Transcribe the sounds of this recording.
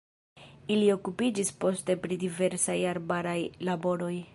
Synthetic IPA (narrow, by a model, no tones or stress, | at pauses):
ilio̞kupid͡ʒispo̞ste̞pɾidive̞ɾsajaɾbaɾajlabo̞ɾo̞j